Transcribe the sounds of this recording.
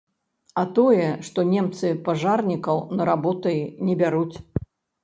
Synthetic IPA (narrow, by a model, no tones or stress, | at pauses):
ɐt̪ɔjɛʂt̪ɔnʲɛmt̪sɨpaʐarnʲikɐwnɐɾabɔt̪ɐjinʲɛbʲaɾut͡sʲ